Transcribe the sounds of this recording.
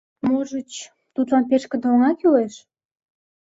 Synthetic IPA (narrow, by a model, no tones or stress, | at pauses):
moʒət͡ɕ | t̪ut̪lɑnpeʃkə̆d̪oŋɑkyleʃ